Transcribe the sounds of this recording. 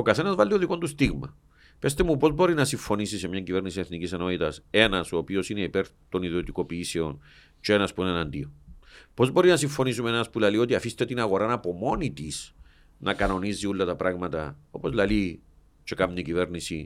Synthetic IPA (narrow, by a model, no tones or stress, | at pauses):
okɐθe̞nɐzvɐlːioðiko̞nt̪ust̪iɣmɐ̰ | pe̞st̪e̞mupo̞zbo̞ɾinɐsiɱfo̞nisise̞mɲɐɲɟive̞ɾnisieθniciseno̞t̪it̪ɐse̞nɐso̞ːpio̞sine̞ipe̞ɾt̪o̞niðiot̪iko̞piise̞o̞n | t͡ʃee̞nɐspuinenɐnd̪iopo̞zbo̞ɾinɐsiɱfo̞nisumeenɐspulɐlio̞t̪iɐfist̪e̞t̪inɐɣo̞ɾɐnɐpo̞mo̞nit̪is | nʔɐkɐno̞nizːiulːɐt̪ɐpɾaɣmɐt̪ɐ̰o̞pozlɐli | t͡ʃe̞kamɲicive̞ɾnisi